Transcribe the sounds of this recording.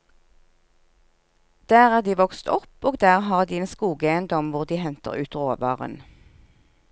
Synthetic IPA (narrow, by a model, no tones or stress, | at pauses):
d̪̥æːʁæːʁd̪iːʋɔkst̪ʰɔpoːɡd̪æːʁhɑːʁd̪iːeːnskuːɡəeɪənd̪ɔmʋʊʁd̪iːhɛnt̪ə̰ʁʉ̰ːt̪ʁoːʋɑ̰ːʁə̰n